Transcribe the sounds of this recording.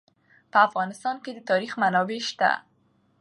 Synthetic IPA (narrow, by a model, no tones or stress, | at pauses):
pəafɣɑnɪst̪ɑnked̪ət̪ɑɾixmanɑbeʃt̪a̰